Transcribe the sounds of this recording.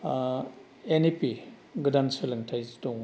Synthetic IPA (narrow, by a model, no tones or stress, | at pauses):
enipi | ɡɯdanselɐŋtʰajzitoŋ